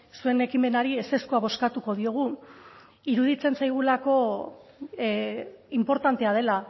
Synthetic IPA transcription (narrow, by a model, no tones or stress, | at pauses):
sue̞ne̞kime̞naɾiese̞skoaβo̞skat̪uko̞ð̞io̞ɣ̞u | iɾuðit͡se̞nsajɣ̞ulako̞ | impo̞ɾt̪ant̪e̞að̞e̞la